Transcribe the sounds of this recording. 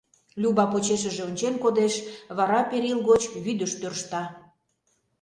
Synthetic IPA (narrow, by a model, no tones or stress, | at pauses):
lʲubɑpot͡ɕeʃə̆ʒeonʲt͡ɕenkod̪eʃβɑɾɑpeɾilɣot͡ɕβyd̪əʃt̪ørʃt̪ɑ